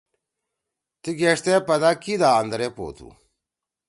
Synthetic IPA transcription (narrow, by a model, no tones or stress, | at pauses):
t̪iɡeʂt̪epɐd̪akid̪aːɐnd̪ɾepo̰ːt̪ʰṵ